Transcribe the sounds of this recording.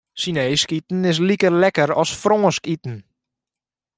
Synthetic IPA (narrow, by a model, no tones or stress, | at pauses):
sineːskitn̩ɪs̬likərlɛkəɾɔsfroŋəskitn̩